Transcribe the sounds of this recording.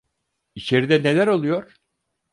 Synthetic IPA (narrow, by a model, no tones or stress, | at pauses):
it͡ʃʰe̞ɾid̪ɛne̞lʲæɾo̞lˠujo̞ɾ̥